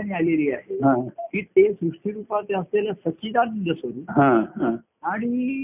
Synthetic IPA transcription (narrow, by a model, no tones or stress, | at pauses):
añialeliːaɦeɦãkiːt̪esɾuʂʈiɾuːpat̪easlelasəkiːd̪annd̪əsoɾiːɦãɦã | aɽ̃i